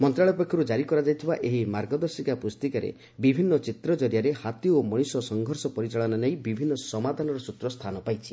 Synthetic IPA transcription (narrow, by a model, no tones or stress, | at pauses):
mɔnt̪ɾaɭɔpekʰjɔɾud͡ʒaɾikɔɾad͡ʒajt̪ʰibaʔeɦimaɾɡɔd̪ɔɾsikapust̪ikaɾḛ | bibʱinːɔt͡ʃit̪ɾɔd͡ʒɔɾjaɾehat̪iomɔɽ̃isɔsɔŋɡʱɔɾsɔpɔɾit͡ʃaɭɔnanejbibʱinːɔsɔmad̪ʱanɔɾɔsut̪ɾɔst̪ʰanɔpajt͡ʃʰi̥